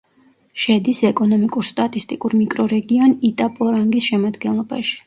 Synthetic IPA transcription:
ʃɛd̪isɛkʼɔnɔmikʼuɾst̪ʼat̪ʼist̪ʼikʼuɾmikʼɾɔɾɛɡianit̪ʼapʼɔɾaŋɡisʃɛmad̪ɡɛnlˠɔba̰ʃi̥

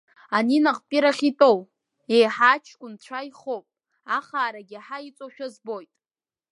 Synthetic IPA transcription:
aninaʁpʼiɾaχʲitʼow | ejħat͡ʃʰkʷʊnt͡ɕʷʰajχowpʼ | aχaːɾaɡʲiaħait͡sʷʼoʃᶣazbo̞jtʼ

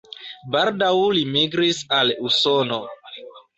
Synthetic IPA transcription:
baɾdawlimiɡɾisalusono

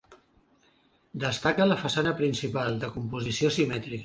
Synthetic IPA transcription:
d̪əst̪akələfəsanəpɾinsipalˠd̪əkumpuzisiosimɛt̪ɾik

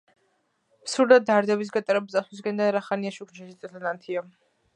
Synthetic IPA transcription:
psuɾd̪ad̪aɾd̪ɛbis̬ɡat̪ʼɾɛb̪̚zʼaswis̬ɡɛnd̪aɾaχaniaʃukʰnʃʰɛʃit̪sʼɛt̪ʰanant̪ʰiɔ

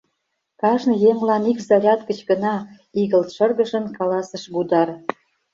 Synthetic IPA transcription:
kɑʒnɤ̆jeŋlɑnikzɑɾʲɑt̪ɡə̆t͡ɕɡə̆nɑ | iɣə̆lt̪ʃərɣə̆ʒə̆nkɑlɑsəʃbud̪ɑr

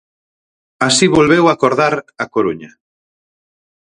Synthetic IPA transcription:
asiβolβewakoɾðaɾakoɾuɲɐ

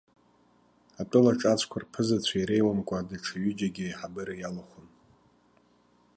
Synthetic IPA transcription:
apʼʊlaʈ͡ʂʼat͡sʷʰkʷʰarpʰɨzat͡ɕʷʰaiɾe̞jwamkʷʼadaʈ͡ʂʰaɥyd͡ʒaɡʲɪħabɨɾajalaχʷʊn

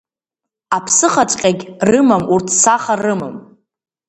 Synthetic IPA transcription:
apʰsɨχat͡ʃʷʼqʲʼaɡʲrɨmamurtʰsaχarɨmɨm

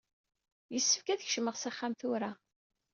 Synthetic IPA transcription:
jəsːə̥fkæðçʃməʁsæχːamθuɾa

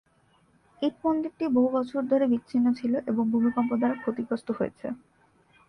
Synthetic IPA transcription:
eɾ̚pond̪iɾʈiboɦubɔt͡ɕʰoɾd̪ʱoɾebikːɕʰinːot͡ɕʰiloʔeboŋbʱubʱikɔmp̬od̪aɾkʰot̪ikɾost̪oɦojet͡ɕʰḛ

